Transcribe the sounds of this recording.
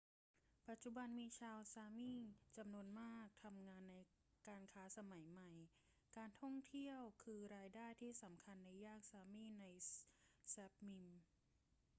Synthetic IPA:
pa˨˩t̪̚t͡ɕu˨˧˩ba˧nmiː˧t͡ɕʰaː˧wsaː˧miː˥˩t͡ɕa˧mnu˧ənmaː˥˩k̚t̪ʰa˧mŋaː˧nːa˧j | kaː˧nkʰaː˦˥sa˧ma˩˦jma˨˩j | kaː˧nt̪ʰɔ˥˩ŋt̪ʰi˥˩əwkʰɯː˧ɾaː˧jdaː˥˩jt̪ʰiː˥˩sa˩˦mkʰa˧nːa˧jːaː˥˩k̚saː˧miː˥˨na˧j | sɛ˦˥p̚mi˧m

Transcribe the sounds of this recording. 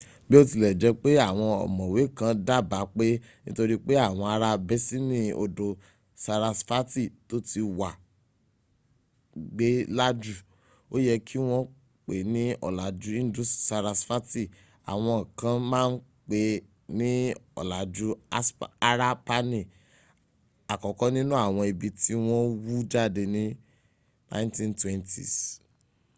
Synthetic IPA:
bi˦o˦ti˧lɛ˨d͡ʒɛ˧k͡pe˦a˦˨w̃ɔ̃˧ɔ̰˨mɔ̃˨we˨˦˨kã˧da˦˨ba˨˦k͡pe˦ | nĩ˦to˧ɾi˦k͡pe˦a˦˨w̃ɔ̃˧a˧ɾa˧bɛ˦si˦mĩ˦o̰˧do˧ | sa˧ɾa˧sfa˦ti˦˨to˦ti˧wa˨ | ɡ͡be˦la˦d͡ʒu˦˨ | o˦jɛ˧kʰi˦w̃ɔ̃˦ | k͡pe˨nĩ˦ɔ̰˦˨la˨d͡ʒu˦ĩ˦n˦du˦ssa˧ɾa˧sfa˦ti˦˨ | a̰˨w̃ɔ̃˧˨kã˦mãː˦˧n̩˦ | k͡pe˧ | nĩ˦ɔ̰˨la˨d͡ʒu˦a˦sa˦ɾa˦pa˦nĩ˦˨ | a˨kɔ˨kɔ̃˨˦nĩ˦nũ˦a˦˨w̃ɔ̃˧i˧bi˧ti˦w̃ɔ̃˦wu˦d͡ʒa˦˨de˧nĩ˦ | nã̰˦tĩ˦ntwɛ̃˦ntḭ˨s

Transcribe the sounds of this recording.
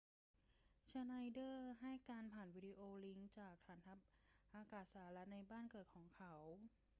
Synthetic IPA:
t͡ɕʰa˧na˧jdɤː˥˩ɦa˥˩jkaː˧npʰaː˨˩nwiː˨˦˥di˧ʔoː˧li˦˥ŋt͡ɕaː˨˩k̚tʰaː˧˩nt̪ʰa˦˥p̚ʔaː˧kaː˨˩t̪̚saː˩˦ɾa˦˥t̪̚na˧jbaː˥˩nkɤː˨˩t̪̚kʰɔː˩˦ŋkʰa˦˥w

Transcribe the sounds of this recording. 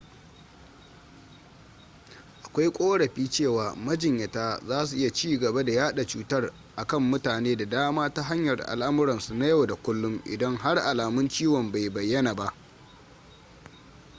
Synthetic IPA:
ʔa˨kʷa˦jkʷʼoː˦ɽɐ˨ɸiː˦t͡ʃeː˦˨waː˨mɐ˦d͡ʒɪ˨ɲjɐ˨taː˦zaː˦s̬u˨ʔɪ˦ja˨t͡ʃiː˦˨ɡɐ˨ba˦da˨jaː˦ɗa˨t͡ʃuː˨˦tɐ˦r | ʔa˨kɐ˦mːʊ˦taː˨neː˦da˨daː˦maː˦ta˦ɦa˦ɲjɐ˨rʔa̰˨lʔa˦mʊ˦ɾɐ˨nsu˨na˦ja˦wda˨kʷʊ˦lːʊ˦ŋʔɪ̰˨dɐ˦ŋɦa˦rʔa˨laː˨mʊ˦nt͡ʃiː˦wɔ˨mba˨jbɐ˨jːɐ˦na˨ba˦ʔ

